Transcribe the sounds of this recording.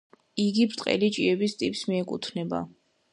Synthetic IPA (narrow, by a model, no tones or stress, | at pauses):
iɡipʰɾt̪ʼqʼɛ̰lit͡ʃʼiɛbist̪ʼipʼsmiɛkʼṵt̪ʰnɛba̰